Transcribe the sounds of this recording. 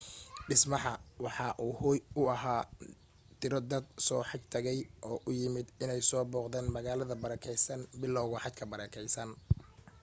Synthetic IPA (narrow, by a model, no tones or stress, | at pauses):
ɖɪsmɑħɑwɑħɑʔuːhʊːjʊɐɦaː | t̪ʰɪɾɔd̪ɐd̪sɔːħɑɡt̪ʰɐɣɛjʔɔːʔʊjɪmɪd̪ɪnɛjsɔːbɔːqd̪ɛːnmɐɣaːlɐðɐbɐɾɐkʰɛjsɐnbɪlːɔwɣʊħɑt̪kʰɐbɐɾɛːkʰɛjsɐn